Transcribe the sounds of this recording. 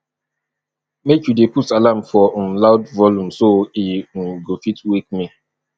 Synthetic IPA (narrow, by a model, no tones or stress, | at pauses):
mekjudeputalam̩fɔm̩laʊdvɔlum̩soiŋ̩ɡofitwik̚mi